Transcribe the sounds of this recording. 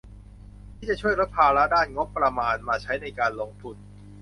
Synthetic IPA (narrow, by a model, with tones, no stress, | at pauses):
iː˥˩t͡ɕa˨˩t͡ɕʰu˥˩əjɾo˦˥pʰːaː˧ɾa˦˥daː˥˩nŋo˦˥pːɾa˧maː˧nmaː˧t͡ɕʰa˦˥jna˧jkaː˧nloː˧ŋt̪ʰu˧n